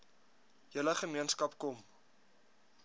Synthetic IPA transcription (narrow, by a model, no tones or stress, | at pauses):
jələχəmiənskɐpkɔm